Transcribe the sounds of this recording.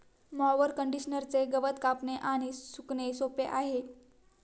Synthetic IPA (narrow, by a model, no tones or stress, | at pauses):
mɔʋəɾkəɳɖiɕnəɾt͡seɡəʋət̪kapneʔaɽ̃isuknesopeʔaɦe